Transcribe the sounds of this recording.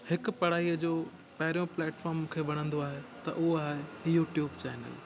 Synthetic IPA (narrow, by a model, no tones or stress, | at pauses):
hɪkʊ̆pɐɽ̤aːiːəd͡ʑoː | pɐɦɪɾjõplɛːʈfɔːɾmkʰeːʋɐɽ̃ə̃nd̪oaːɦet̪ɐ̰ʔʊɦoaːɦejuːʈjuːbt͡ɕɛːnə̰l